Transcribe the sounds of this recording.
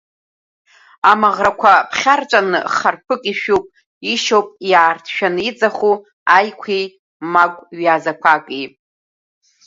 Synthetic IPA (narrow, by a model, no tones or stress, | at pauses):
amaʁrakʷʰapʰχʲart͡ʃʷʼanɨ̰χarpʰɨkʼiʃᶣupʼ | iʃowpʼjaːrtʰʃᶣanɨid͡zʼaχu | ajkʷʰej | makʷʼɥazakʷʰakʼi